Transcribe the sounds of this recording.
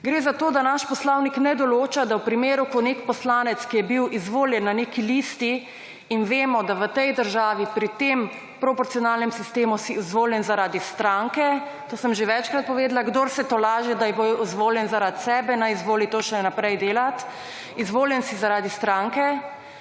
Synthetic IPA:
ɡɾeːzat̪oːd̪anaʃpɔslawniknɛd̪ɔloːt͡ʃad̪awpɾimeːɾukɔnekpɔslaːnɛt̪skijɛbiwizʋoːljɛnːaneːkiliːst̪iː | nʋeːmɔd̪aʋət̪ɛjd̪əɾʒaːʋipɾit̪em | pɾɔpɔɾt̪sijɔnaːlnɛmsist̪eːmusiuzʋoːljɛnzaɾaːd̪ist̪ɾaŋkɛ | t̪oːsəmʒeʋɛt͡ʃkɾat̪̚pɔʋeːd̪laɡd̪oːɾsɛt̪olaːʒɛd̪ajbojuzʋoːljɛnzaɾat̪sɛːbɛnajizʋoːlit̪oːʃɛnapɾɛjd̪eːlat̪ | izʋoːljɛnsizaɾaːd̪ist̪ɾaŋkɛ

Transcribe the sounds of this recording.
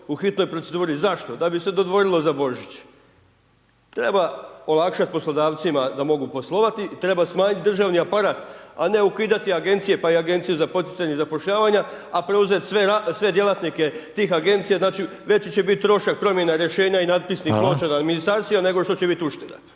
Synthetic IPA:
uxit̪no̞jpɾo̞t̪e̞d̪uːɾizaʃt̪o̞d̪abise̞d̪o̞d̪ʋo̞ɾilˠo̞zabo̞ʒit͡ɕ | t̪ɾe̞bao̞lˠakʃat̪̚po̞slo̞d̪aːʋt̪simad̪amo̞ɡupo̞slˠo̞ʋat̪it̪ɾe̞basmaːɲit̪d̪r̩ʒaʋniapaɾaːt̪ane̞ukiːd̪at̪iaɡe̞nt̪sije̞paiaɡe̞nt̪sijuzapo̞t̪it̪saɲezapo̞ʃʎaːʋaɲaapɾeuze̞t̪sʋeɾasʋe̞d̪je̞lat̪nike̞t̪iːxaɡe̞nt̪sijaznaːt͡ʃi | ʋe̞t͡ɕit͡ɕe̞bit̪̚t̪ːɾo̞ʃak̚pɾo̞mje̞naɾje̞ʃe̞ːɲainad̪̚pisniplot͡ʃanaad̪minist̪ɾaːɾt̪sijane̞ɡo̞ʃt̪o̞t͡ɕe̞bit̪uʃt̪ed̪a̰

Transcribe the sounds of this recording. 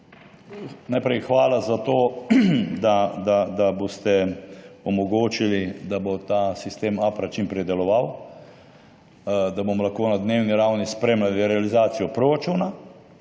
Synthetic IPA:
najpɾɛjxʋaːlazat̪oː | d̪ad̪ad̪abost̪ɛ | ɔmɔɡoːt͡ʃilid̪abot̪aːsist̪eːmaːpɾat͡ʃimpɾɛd̪ɛlɔʋaw | d̪abomɔlaxkoːnad̪neːwniɾawnispɾeːmlaliɾɛalizaːt̪sijɔpɾoɾat͡ʃuːna

